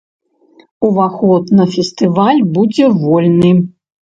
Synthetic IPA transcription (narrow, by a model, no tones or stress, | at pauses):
uvaxɔt̪nɐfʲɛst̪ɨvalʲbud͡zʲɛvɔlʲnɨ